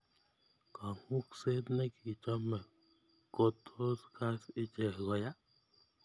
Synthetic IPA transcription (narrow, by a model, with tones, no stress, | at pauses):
ka˨ŋu˦kse˦t̪nɛ˦ki˨t͡ʃɔ˦mɛ˨ | ko˦tʰo˦ska˦sɪ˦t͡ʃɛ˨ɡɔ˨ja˦